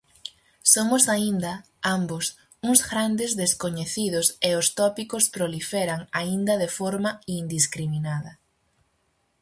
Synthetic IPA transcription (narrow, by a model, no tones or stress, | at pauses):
somʊsaind̪ɐ | ambos | uŋzɣɾand̪ɪzðeskoɲeθiðʊseʊst̪ɔpikʊspɾolifɛɾaŋaind̪ɐðefɔɾmaind̪iskɾiminaðɐ